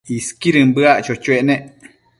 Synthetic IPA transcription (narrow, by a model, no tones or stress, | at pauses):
iskiɾɨmbɨaʔt͡ʃot͡ʃueʔnẽʔ